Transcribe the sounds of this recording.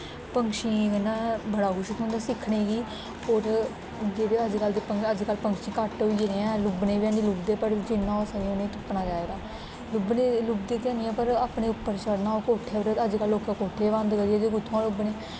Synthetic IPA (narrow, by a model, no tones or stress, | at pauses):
pəŋkʃĩːɡənːãːbəɽaːɡʊʃt̪ʰõːnd̪aːsɪkʰneːɡiː | oːɾ | d͡ʒeːeəd͡ʒkəld̪eːpəŋəd͡ʒkəlpəŋkʃĩːkəʈɦoieɾeːãːlʊbneːʋãːniːlʊbd̪eːpəɾd͡ʒɪnːãːsəeonẽːt̪ʰʊpːnaːd͡ʒaːeːɡaː | lʊbneːlʊbd̪eːt̪jaːnɪjãːpəɾaːpɳeːʊpːəɾt͡ʃəɽnaːokoːʈʰːeːbəɾəəd͡ʒkəlːoːkãːkoːʈʰeːʋə̃nd̪kəɾijaːd͡ʒeːɡʊt̪ʰːõãːlʊbneː